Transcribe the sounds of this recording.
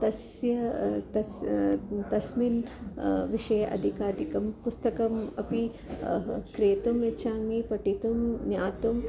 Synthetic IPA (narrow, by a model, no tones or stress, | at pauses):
t̪ɐs | jɐt̪ɐ | t̪ɐsmin | ʋiʂɐjɐʔɐ̰d̪ʱikaːd̪ʱikɐmpust̪ɐkɐmɐpi | kɾeːt̪umet͡ʃʰaːŋipɐʈit̪umnjaːt̪um